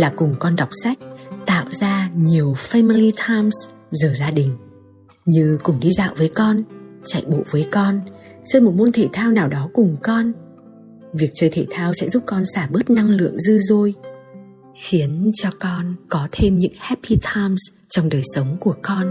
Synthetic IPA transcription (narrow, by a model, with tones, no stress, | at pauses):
laː˨˩kʊ˨˩ŋ͡mkɔ˧nɗa˨˩wk͡p̚sa˦˥jk̟̚t̪a̰ː˧˨wzaː˧ɲi˨˩əwfaː˧mi˧li˧t̪ʰaː˧jms | zəː˨˩zaː˧ɗï˨˩ŋ̟ | ɲɨ˧kʊ˧˩ŋ͡mɗi˧za̰ː˧˨wvəː˨˦jkɔ˧nt͡ɕa̰˧˨jɓo̰˧˨vəː˨˦jkɔ˧nt͡ɕəː˧jmo˨˩t̚mo˧nt̪ʰe˧˩t̪ʰaː˧wnaː˨˩wɗɔ˨˦kʊ˨˩ŋ͡mkɔ˧n | vi˨˩ək̚t͡ɕəː˧jt̪ʰe˧˩t̪ʰaː˧wsɛ̰˧˥zu˦˥p̚kɔ˧nsaː˧˩ɓɨ˦˥t̚na˧ŋlɨ̰˧˨əŋzɨ˧zo˧j | xi˨˦ənt͡ɕɔ˧kɔ˧nkɔ˨˦t̪ʰe˧mɲɨ̰˧˥ŋhɛ˦˥pːi˧t̪ʰaː˧jms | t͡ɕɔ˧wŋ͡mɗəː˨˩jsə˨˦wŋ͡mku˧˩əkɔ˧n